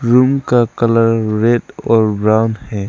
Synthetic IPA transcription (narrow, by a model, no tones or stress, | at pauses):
ɾumkakɐlaɾːedɔɾbɾawnhɛ